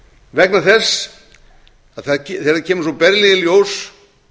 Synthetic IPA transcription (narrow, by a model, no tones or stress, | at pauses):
vɛknaθɛsː | aðθacʰθeɾðacʰɛːmʏsɔpɛɾliðɪljows